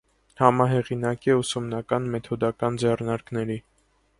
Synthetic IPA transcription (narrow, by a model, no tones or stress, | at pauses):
hɑmɑɦɛʁinɑkiusumnɑkɑnmɛt̪ʰɔd̪ɑkɑnd͡zɛrnɑɾknɛɾi